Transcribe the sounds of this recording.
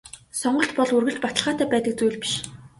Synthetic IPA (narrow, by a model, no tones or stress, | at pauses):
sɔɴɢɞ̆ɬt̪pɔɮurɣɘ̆ɬt͡ɕpat̪ə̆ɮʁaːt̪æːpæːt̪ə̆k̚t͡sujɮpi̥ʃ